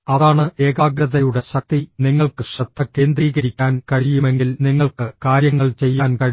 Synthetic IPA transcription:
ɐðaːɳɨʔe̞ːɡaːɡɾɐðɐjuɽe̞ɕɐk̚t̪ːiniŋːɐɭkɨɕrɐt̪ʰːɐkːe̞ːnd̪riːɣɐɾikʲːaːnkɐɻijume̞ŋɡilniŋːɐɭkɨkaːɾjɐŋːɐɭt͡ɕe̞jːaːnkɐɻi

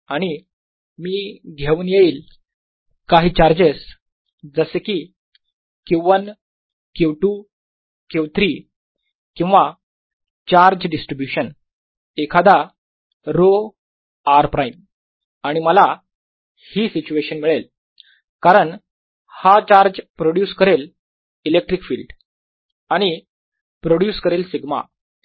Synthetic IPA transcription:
aɽ̃i | miːɡʱeuːnjeiːl | kaɦiːt͡ɕaɾd͡ʑes | d͡zəsekiː | kiʋən | kewʈu | kewt̪ɾiː | kĩw̃ʋa | t͡ɕaɾd͡ʑɖisʈɾibjuɕən | ekʰad̪a | ɾo | aɾpɾaim | aɽ̃iməla | hiːsit͡ɕueɕənmiɭel | kaɾəɳ | hat͡ɕaɾd͡ʑpɾoɽjuːskəɾel | ilek̚ʈɾikfiːlɖ | aɽ̃i | pɾoɽjuːskəɾelsiɡma̰

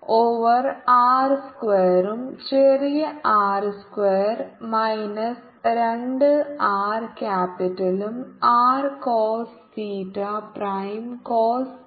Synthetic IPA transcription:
oːʋɐraːrskʋeːɾumt͡ɕerijɐaːrskʋeːrmɐjnɐs | ɾeɳɖɨaːrkʲaːpiʈːɐlumaːrkoːls | siːtːɐprɐjmkoːls

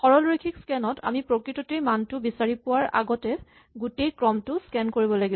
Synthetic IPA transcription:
xɔɹɔlɹikʰikskɛnɔta̰mipɹokɹitɔtejmantʊbisaɹipʊwaɹa̰ɡɔtɛ | ɡutejkɹɔmtʊskɛnkoɹibɔlaɡib

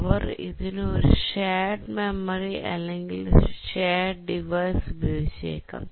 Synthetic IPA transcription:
ʋɐrḭðinɨoɾuɕeːɖmemɐriʔɐ̰lːeŋɡilɕeːɖɖiʋɐjsubʱiʋeɕḛːkːa̰n

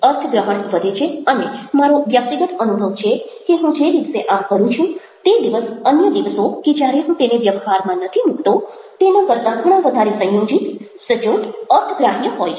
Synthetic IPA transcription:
əɾt̪ʰəɡɾəɦəɳʋəd̪ʱet͡ʃʰeənemaɾoʋjək̚t̪iɡət̪ənubʱəʋt͡ʃʰekeɦũd͡ʒeɾiʋseʔapkəɾũt͡ʃʰũ | t̪ed̪iʋəsənjəd̪iʋəsoked͡ʒjaɾeɦũt̪eneʋjəʋɦaɾmãnət̪ʰimukʰt̪o | t̪enãkəɾt̪ãɡəɽ̃ãʋəd̪ʱaɾesə̃jod͡ʒit̪ | sət͡ʃoʈəɾt̪ʰəɡɾaɦjəɦojʰ

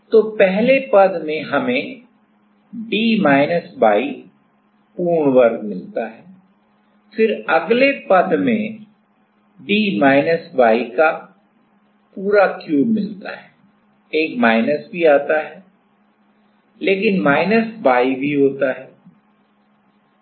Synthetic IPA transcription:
t̪oːpɛɦlepɐd̪mẽɦɐmẽ | ɖiːmaːɪnəsbaːi | puːɾɳwəɾkmɪlt̪aɦɛː | fɪɾɐɡlepɐd̪mẽ | ɖiːmaːɪnəsbaːika | puːɾakjuːbmɪlt̪a̰ɦɛ | eːkmaːɪnəsbʱiaːt̪aɦɛː | leːkɪnmaːɪnəsbaːibʱiɦoːt̪aɦɛː

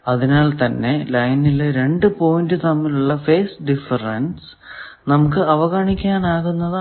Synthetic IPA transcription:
ɐðinaːlt̪ɐnːe̞lɐjnileɾe̞ɳɖɨpo̞ːjndɨt̪ɐmːiluɭːɐfe̞ːsɖifɐrɐns | nɐmukːɨɐʋɐɣaːɳikʲːaːnaːɣunːɐð

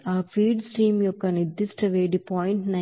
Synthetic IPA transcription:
aːpʰiːɖsʈiːmjɔkːɐnid̪isʈɐʋeːɽipaːjɳʈnɐ

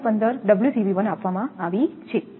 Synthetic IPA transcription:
pənd̪əɾɖəbljusiʋiʋənapʋamãaʋit͡ʃʰe

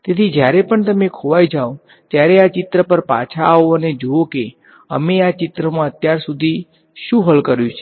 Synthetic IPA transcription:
t̪et̪ʰid͡ʒjaɾepəɳt̪əmekʰoʋajd͡ʒao | t̪jaɾeat͡ʃɪt̪ɾəpəɾpa̰t͡ʃʰaːoəned͡ʒooke | ə̰meat͡ʃɪt̪ɾəmãət̪jaɾsud̪ʱi | ʃũɦəlkəɾjũt͡ʃʰe̥

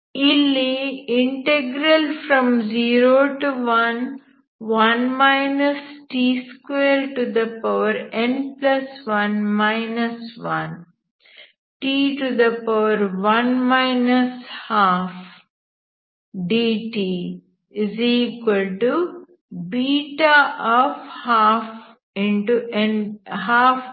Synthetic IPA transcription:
iliɪ̃ɳʈeɡɾəlfɾɔ̃mziːɾoːʈuʋɐ̃n | ʋɐ̃nmaɪnɐsʈiːskweːɾʈud̪ɐpaʋəɾẽnplɐsʋʌ̃nmaɪnɐsʋʌ̃n | ʈiːʈud̪əpaʋəɾʋʌ̃nmaɪnəshaːf | ɖiːʈiː | ɪziːkwəlʈu | biːʈaʔɔːfhaːf | ɪ̃ɳʈuɛ̃nɦaːf

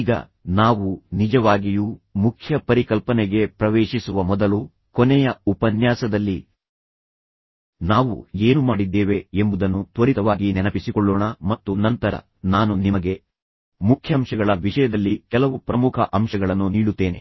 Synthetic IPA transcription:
iːɡɐ̰ | naːʋunid͡ʒɐʋaːɡijuːmukʰjɐpɐɾikɐlpɐneɡe̞pɾɐʋeːʂisuʋɐmɔd̪ɐlu | kɔnɛjɐupɐnjaːsɐd̪ɐlːi | naːʋṵe̞ːnumaːɽid̪ːeːʋe̞embud̪ɐnːut̪ʋɐɾit̪ɐʋaːɡinɛnɐpisikɔɭːɔːɳɐmɐt̪ːunɐnt̪ɐɾɐ̰ | naːnunimɐɡe̞ | mukʰjɐmʂɐɡɐɭɐʋiʂɐjɐd̪ɐlːikɛlɐʋupɾɐmukʰɐʔɐmʃɐɡɐɭɐnːuniːɽut̪ːe̞ːne

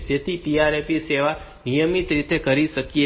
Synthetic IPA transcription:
d͡ʒet̪ʰiʈijaɾepiseʋa | nijəmit̪ɾit̪ekəɾiʃəkije

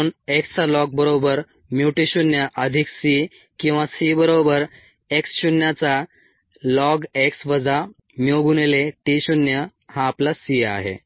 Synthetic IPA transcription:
nekst͡salɔɡ̚bəɾobəɾ | mjuʈiɕunjaʔəd̪ʱiksi | kĩw̃ʋasibəɾobəɾ | eksɕunjat͡sa | lɔɡeksʋəd͡za | mjoɡuneleʈiɕunjəhãːplasiːa̰ɦḛ

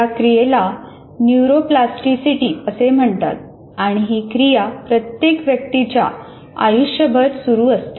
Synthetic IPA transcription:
akɾijela | njuɾoplasʈisiʈiːəsem̤əɳt̪a̰t̪̚ | aɽ̃iɦikɾijapɾət̪jekʋjək̚t̪it͡ɕja̰ | a̰juʂjəbʱət̪suɾuːəst̪e̥

